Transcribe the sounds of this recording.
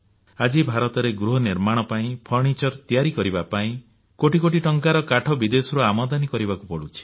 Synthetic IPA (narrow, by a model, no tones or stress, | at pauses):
ad͡ʒibʱaɾɔt̪ɔɾeɡɾuɦɔniɾmaɽ̃ɔpaĩpʰɔɾɳ̃it͡ʃɔɾt̪ijaɾikɔɾibapaĩ | koʈikoʈiʈɔŋkaɾɔkaʈʰɔbid̪esɔɾuamɔd̪anikɔɾibakubɔɽut͡ʃʰi̥